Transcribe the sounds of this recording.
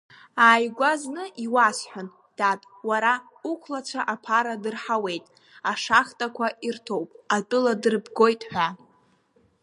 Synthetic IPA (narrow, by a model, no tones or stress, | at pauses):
aːjɡʷaznɨʔiwasħʷᶣan | d̥atʼ | waɾa | ukʷʰlat͡ʃʷʰaʔapʰaɾadɨrħawe̞jtʼ | aʂaχtʼakʷʰairtʰo̞wpʼatʼɨladɨrbɡo̞jtʼħʷᶣa